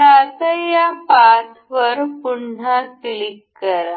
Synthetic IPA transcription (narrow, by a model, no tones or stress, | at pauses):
at̪əjapat̪ʰ | ʋəɾpuɳ̤aslikːəɾa